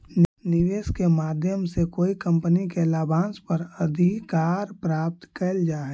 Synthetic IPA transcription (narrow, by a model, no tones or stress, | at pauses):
niʋeːskemaːd̪ʱjəmsekoːikə̃mpənikelaːbãːnspəɾəd̪ʱikaːɾpɾaːp̚t̪kɛld͡ʒaːɦɛ